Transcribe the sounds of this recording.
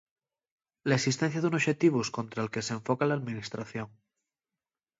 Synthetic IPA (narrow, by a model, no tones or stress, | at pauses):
laeksist̪enθjaðunoʃet̪iβ̞uskont̪ɾaelke̞seɱfokalaːðmĩnist̪ɾaθjoŋ